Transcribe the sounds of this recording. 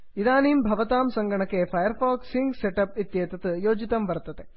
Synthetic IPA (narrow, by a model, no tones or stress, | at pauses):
id̪aːnimbʱɐʋɐt̪aːmsɐŋɡɐɳɐkːepʰɐjɐɾfaːksiŋɡseʈɐpit̪jeːt̪ɐt̪ɨjoːd͡ʒit̪ɐmʋɐɾt̪ːɐd̪e